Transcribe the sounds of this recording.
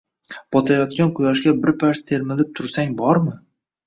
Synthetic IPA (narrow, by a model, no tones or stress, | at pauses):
b̥ɒt̪ʰajɒt̪kʲanqʰʊjɒʃɡʲabɪɾpʰaɾst̪ʰe̞ɾmɪlɪp̚t̪ʰʊɾsaŋbɒɾmɪ